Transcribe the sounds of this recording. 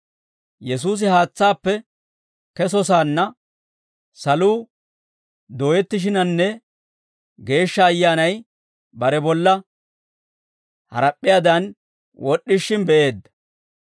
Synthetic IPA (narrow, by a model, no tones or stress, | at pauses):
jɛsuːs̬ɪhaːt͡sːaːpːɛ | kɛsɔs̬aːnːɐ | sɐluː | d̪oːjɛt̪ːɪʃ̬ɪnɐnːɛ | ɡe̞ːʃːɐːjːaːnɐj | bɐɾɛbɔlːɐ | hɐ̰ɾɐpʼːɪjaːd̪ɐn | wɔɗːɪʃːɪnbɛʔe̞ːd̪ːɐ̥